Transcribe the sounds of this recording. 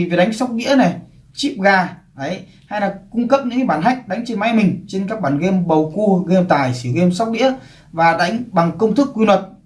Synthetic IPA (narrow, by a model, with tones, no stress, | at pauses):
ve˨˩ɗa˨˦jŋ̟sa˦˥wk͡p̚ɗḭ˧˥əna˨˩j | t͡ɕi˦˥p̚ɣaː˧˩ʔə˨˦j | ha˧jlaː˨˩kʊ˧ŋ͡mkə˦˥p̚ɲɨ̰˧˥ŋkːaː˨˧˦ɓaː˧˩nɦa˨˦˥jk̟̚ɗa˨˦jŋ̟t͡ɕe˧nma˨˦jmï˨˩ŋ̟t͡ɕe˧nkaː˦˥k̚ɓaː˧˩nɣe˧mɓə˨˩wku˧ɣe˧mt̪aː˨˩jsɨ˧˩ɣe˧msa˦˥wk͡p̚ɗḭ˧˥ə | vaː˨˩ɗa˨˦jŋ̟ɓa˨˩ŋkə˧wŋ͡mt̪ʰɨ˦˥kːwi˧nwə˨˩t̚